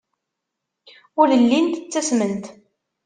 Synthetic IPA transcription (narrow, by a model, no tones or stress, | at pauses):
ʊɾəlːint̪ət͡sːæsmənt̪